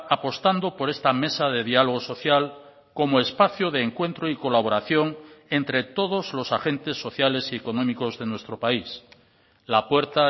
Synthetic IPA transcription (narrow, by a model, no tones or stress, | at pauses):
apo̞st̪and̪o̞po̞ɾe̞st̪ame̞saðe̞ðialoɣ̞o̞so̞θjal | ko̞moespaθjoðe̞ːŋkwe̞nt̪ɾoiko̞laβ̞o̞ɾaθjo̞ŋe̞nt̪ɾe̞t̪o̞ð̞o̞zlo̞saxe̞nt̪e̞sːo̞θjale̞sieko̞nõ̞miko̞zðe̞nwest̪ɾo̞pais | lapwe̞ɾt̪a